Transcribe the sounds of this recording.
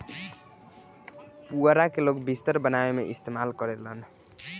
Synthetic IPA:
puəɾakelokbist̪əɾbənaemeʔist̪emalkʌɾet̪lən

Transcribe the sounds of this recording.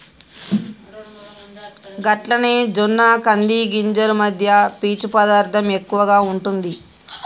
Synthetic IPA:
ɡɐʈlɐneːd͡ʒonːaːkɐnd̪iɡiɲd͡ʒɐɾumɐd̪ʱjɐpiːt͡ʃupɐd̪aːɾt̪ʰɐme̞kːuʋɐɡaːuɳʈund̪i

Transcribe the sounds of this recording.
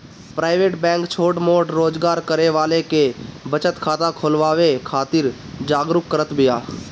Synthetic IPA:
pɾaːɪʋeːʈbɛ̃ːŋkt͡ʃʰoːʈmoːʈɾoːd͡ʒɡaːɾkəɾeʋaːlekebət͡ʃət̪kʰaːt̪akʰoːlʋaːʋekʰaːt̪ɪɾ | d͡ʒaːɡɾʊkːəɾət̪bɪjaː

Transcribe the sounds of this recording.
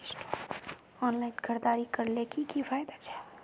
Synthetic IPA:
ʈ | ɔːnlaːɪnkʰəɾd̪aːɾikɐɾlekikifaːjd̪at͡ʃʰḁː

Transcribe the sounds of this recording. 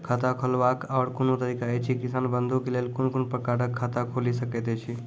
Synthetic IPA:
kʰat̪akʰolbakɔːɾkonot̪əɾiːkaɛt͡ʃʰikɪsanbənd̪ʱõkeleːlkonkonpɾəkaʈəkʰːat̪akʰolisəket̪ɛt͡ʃʰi

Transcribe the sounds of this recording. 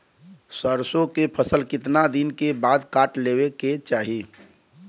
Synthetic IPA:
səɾsõkepʰəsəlkɪt̪nad̪ɪnkebaːd̪kaːʈleːweket͡ʃaːɦi

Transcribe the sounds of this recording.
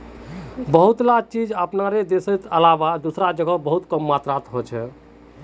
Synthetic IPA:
bəɦut̪lat͡ʃid͡ʒəpnaɾed̪esəjt̪ə̰labad̪usɾad͡ʒəɡəbəɦut̪kəmːat̪ɾat̪ɦot͡ʃʰɛ

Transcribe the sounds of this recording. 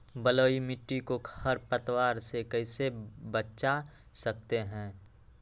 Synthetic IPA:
bəloːimɪʈːikohəɾpət̪waːɾsekɛɪsebəʃa | sɐk̚t̪eɦɛ̃ː

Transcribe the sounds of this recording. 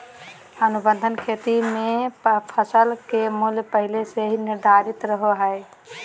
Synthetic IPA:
ənubənd̪ʱənkʰet̪imeppʰəsəlkemuljpəɦileseɦinɪɾd̪ʱaɾɪt̪ɾəɦoɦəe

